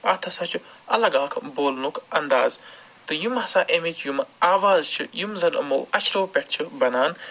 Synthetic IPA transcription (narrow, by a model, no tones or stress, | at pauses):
ɐt̪ʰɐsɐt͡ʃʰuɐlɐɡaːkʰboːlnukʰɐnd̪aːz | t̪ɨjumɦɐsaːʔemit͡ʃʰjumaːʋaːzt͡ʃʰijumzɐlɐ̰mo̰ːʔɐt͡ʃʰɾoːpʲeʈʰt͡ʃʰɨbɐnaːn